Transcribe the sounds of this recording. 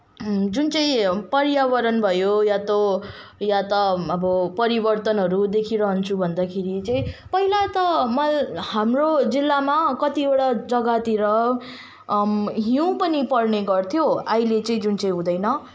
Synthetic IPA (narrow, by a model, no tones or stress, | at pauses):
d͡zunt͡sʌĩpʌɾjaβʌɾʌnbʱʌjojat̪o | jat̪ʌʌbʌpʌɾibʌrt̪ʌnɦʌɾud̪ekʰiɾʌɦʌnt͡sʰubʱʌnd̪akʰeɾit͡sʌĩpʌɦilat̪ʌmʌlhamrod͡zilːamakʌt̪ieɽad͡zʌɡat̪iɾʌ | ɦiũpʌnipʌrneɡʌrt̪ʰjoajlet͡sʌĩd͡zunt͡sʌj̃ɦũd̪ʌjnʌ